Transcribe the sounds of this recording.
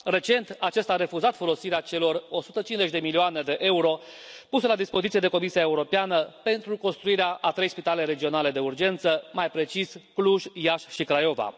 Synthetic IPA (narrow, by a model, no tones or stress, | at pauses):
re̞t͡ʃe̞nt̪at͡ʃe̞st̪aːɾe̞fuzat̪fo̞lo̞siɾeat͡ʃe̞lo̞ro̞sut̪ət͡ʃinze̞t͡ʃʲd̪e̞milioane̞d̪e̞ʔe̞uɾo̞ | pusəlad̪ispo̞zit̪ie̞d̪e̞ko̞misijae̞uɾo̞peanəpe̞nt̪ɾuko̞nst̪ɾuiɾeaʔat̪ɾe̞jspit̪ale̞ɾe̞d͡ʒio̞nale̞d̪e̞urd͡ʒe̞nt̪səmajpɾe̞t͡ʃiskluʒjaʃʃikɾajo̞va̰